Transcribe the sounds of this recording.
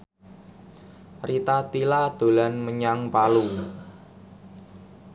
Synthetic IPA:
rit̪at̪ilad̪̥o̤lanməɲaŋpalu

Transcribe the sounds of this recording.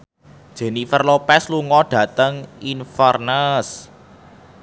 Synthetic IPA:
ʒ̥e̤nifərlopɛsluŋɔɖ̥ä̤t̪əŋinfərnəs

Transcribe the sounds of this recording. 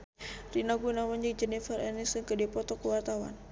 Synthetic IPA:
rinaɡunawand͡ʒək̚d͡ʒɛnifərɛnisdəŋkədipɔt̪ɔkəwart̪awa̰n

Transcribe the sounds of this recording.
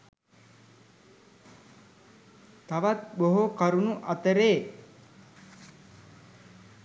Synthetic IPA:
t̪aʋat̪̚boɦokaɾunuʔɐt̪əɾeː

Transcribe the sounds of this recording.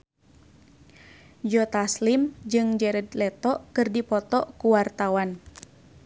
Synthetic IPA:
d͡ʒɔt̪aslimd͡ʒɨŋd͡ʒɛɾɛdlɛt̪ɔʔkɨrdipɔt̪ɔʔkuwart̪awan

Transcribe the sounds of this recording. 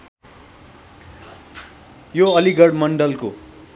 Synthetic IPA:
joʌliɡʌɽmʌɳɖʌlko

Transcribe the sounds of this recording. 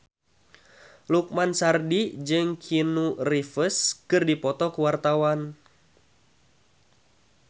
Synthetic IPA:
luk̚mansardid͡ʒɨŋkʰinurifəskɨrdipɔt̪ɔkuwart̪awan

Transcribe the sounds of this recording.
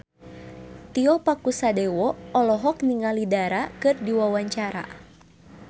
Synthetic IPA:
t̪iɔpakusadɛwɔɔlɔɦɔkniŋalidaɾakɨrdiwawaɲt͡ʃaɾa̰

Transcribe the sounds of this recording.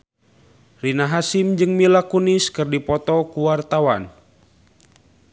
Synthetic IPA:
rinaɦasimd͡ʒɨŋmilakuniskɨrdipɔt̪ɔkuwart̪awan

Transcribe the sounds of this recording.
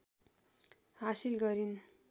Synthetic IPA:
ɦasilɡʌɾin

